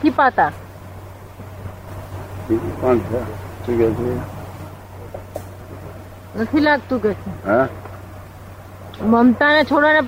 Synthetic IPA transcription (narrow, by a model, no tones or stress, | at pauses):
ipat̪a | biikãnt͡ʃʰɛt̪uɡɛt͡ʃʰe | nət̪ʰilaɡ̚t̪ũɡɛt͡ʃʰeɦɛ̃ | məmt̪anet͡ʃʰoɽanep